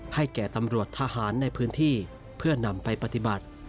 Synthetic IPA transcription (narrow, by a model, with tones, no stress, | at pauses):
ha˥˩jkɛː˨˩t̪a˧mɾu˨˩ət̪ʰːaː˧haː˩˦nːa˧jpʰɯː˦˥nt̪ʰiː˥˩ | pʰɯ˥˩ɐna˧mpa˧jpa˧˥t̪i˨˩ba˨˩t̪̚